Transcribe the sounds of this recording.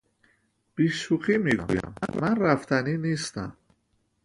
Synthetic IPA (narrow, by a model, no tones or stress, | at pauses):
b̥iːʃuxiːmiːɡṵjæ̰mːæːænræft̪ʰæniːniːst̪æ̰m